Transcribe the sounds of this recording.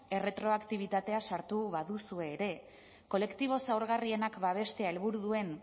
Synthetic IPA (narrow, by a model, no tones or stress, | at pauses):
e̞re̞t̪ɾo̞akt̪iβ̞it̪at̪e̞asaɾt̪uβaðusue̞ːɾe̞ | ko̞le̞kt̪iβ̞o̞sawɾɣarie̞nakbaβ̞e̞st̪e̞aelβuɾuðue̞n